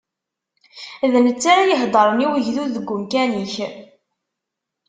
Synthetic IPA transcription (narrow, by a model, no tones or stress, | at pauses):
ðənət͡sːaɾajəɦd̪ˤəɾˤəniwəʝðuðəɡːʊmkæniç